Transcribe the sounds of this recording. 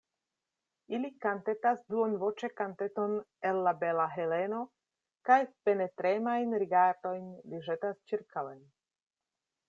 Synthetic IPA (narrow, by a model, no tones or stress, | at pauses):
ilikant̪etasduonvo̞t͡ʃekanteto̞nelːabelaɦeleno̞ | kajpenetɾemajnɾiɡaɾdo̞jnliʒetast͡ʃiɾkawen